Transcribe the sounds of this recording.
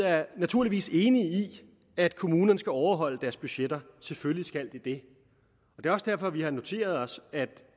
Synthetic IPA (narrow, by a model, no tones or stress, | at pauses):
æɐnæt͡sʰuɐliʋḭːse̝ːnii | æd̥kʰo̝muːnɐnəsɡ̥æɒʊɐɦɒ̽l̰əd̥æɐsb̥yɕed̥ɐsefølisɡ̥æl̰d̥id̥e̝ | ɒ̽d̥e̝ːɒ̽sd̥æɐfɒ̽ʋihɑ̈no̝t͡sʰe̝̰ːɐð̞ˠɒ̽sæd̥